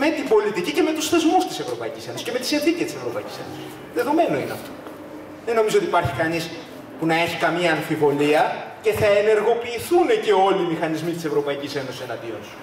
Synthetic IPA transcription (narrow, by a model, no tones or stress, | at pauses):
me̞t̪ibo̞lit̪icice̞me̞t̪usθe̞zmust̪i̥se̞vɾo̞pɐicise̞nosi̥ceme̞t̪i̥sinðicest̪ise̞vɾo̞pɐici̥se̞no̞sii̥ | ðe̞ðo̞me̞no̞ineɐft̪o̞ | ðe̞no̞mizoo̞t̪ipɐɾçi̥kɐnis | punɐe̞çikɐmiɐːɱfivo̞liɐce̞θɐe̞ne̞ɾɣo̞piːθunece̞o̞liːmixɐnizmit̪ise̞vɾo̞pɐicise̞no̞sisenɐnd̪ionsu̥